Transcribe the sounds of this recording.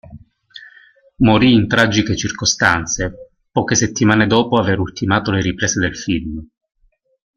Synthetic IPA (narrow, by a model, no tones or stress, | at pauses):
moɾiːnt̪ɾad͡ʒiket͡ʃirkost̪ant̪se | pɔːkeset̪ːimaːned̪ɔːpoaveɾult̪imaːt̪oleɾipɾɛːsed̪elfilm